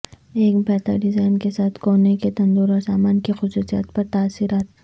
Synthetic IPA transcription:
eːkbʱɛːt̪a̰ɖɪzaːɪnkesaːt̪ʰkoːneket̪ɐ̃nd̪oːɾɔːɾsaːmaːnkixʊsuːsija̰ːt̪pɐɾt̪aːsːiːɾaːt̪

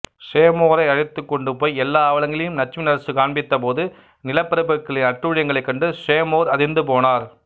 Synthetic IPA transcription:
ʂeːmoːɾɐɪɐɻɪt̪ːɯkːɔɳɖɯpoːjɛlːaːɐʋɐlɐŋɡɪlɐjɯmnɐt͡ʃːmɪnɐɾɐsɯkaːɳbɪt̪ːɐp̬oːðɯ | nɪlɐpːɐɾɯpːɐkːɐɭɪnɐʈruːɻɪjɐŋɡɐɭɐɪkːɐɳɖɯʂeːmoːɾɐðɪnd̪ɯpoːnaːɾ

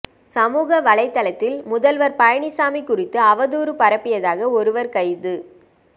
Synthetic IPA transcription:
sɐmuːɣɐʋɐɭɐɪt̪ːɐlɐt̪ːɪlmʊðɐlʋɐɾpɐjɐɳɪsaːmikːʊrɪt̪ːɯɐʋɐðuːɾɯpɐɾɐpːɪjɐðaːɣɐɔɾɯʋɐɾkɐɪðɯ

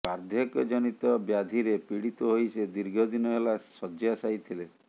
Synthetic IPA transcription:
aɾd̪ʱjɔkd͡ʒɔnit̪ɔbjad̪ʱiɾepiɽit̪ɔɦojsed̪iɾɡʱɔd̪inɔɦelasɔd͡ʒasajt̪ʰile

